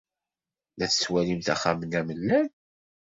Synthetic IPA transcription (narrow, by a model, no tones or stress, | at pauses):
næθət͡sːwælimθæ̰χamənæməlːæn